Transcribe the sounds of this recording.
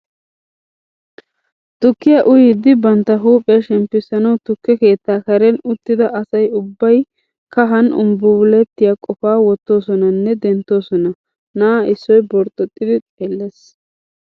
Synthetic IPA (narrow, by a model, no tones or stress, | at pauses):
t̪ʊkːɪjɐʔʊjɪd̪ːɪbɐnt̪ːɐɦuːpʼɛʃɛmpːɪsːɐnɐwt̪ʊkːɛke̞ːt̪ːaːkɐɾɛnʊt̪ːɪd̪ɐʔɐsɐjʊbːɐj | kɐɦɐnʊ̰mbʊʊlɛt̪ːɪjaːkʼɔfaːwɔt̪ːo̞ːsɔnɐnːɛd̪ɛnt̪ːo̞ːsɔnɐ | naːɪsːɔjbɔɾt̪ʼɔt̪ʼːɪd̪ɪt̪ʼeːlːes